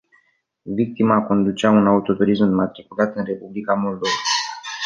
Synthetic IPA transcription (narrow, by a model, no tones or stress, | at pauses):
vik̚t̪imako̞nd̪ut͡ʃeaunaut̪o̞t̪uɾismːat̪ɾikulat̪ɨnre̞publikamo̞ld̪o̞va